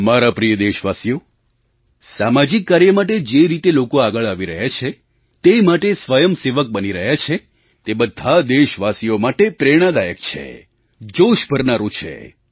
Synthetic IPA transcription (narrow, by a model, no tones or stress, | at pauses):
maɾapɾijəd̪eʃʋasijo | samad͡ʒikːaɾjəmaʈ̬ed͡ʒeɾit̪elokoaɡəɭaʋiɾəɦjat͡ʃʰe | t̪emaʈesʋəjəmseʋək̚bəniɾəɦjat͡ʃʰe | t̪ebəd̪ʱːad̪eʃʋasijomaʈepɾeɽ̃ad̪ajəkt͡ʃʰḛ | d͡ʒoʃbʱəɾnaɾũt͡ʃʰḛ